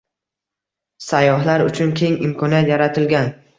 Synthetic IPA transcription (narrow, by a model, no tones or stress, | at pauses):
sajːɒɦlaɾʊt͡ʃʰʊnkʲʰe̞ŋɪmkʰɒnijat̪jaɾat̪ʰɪlɡʲan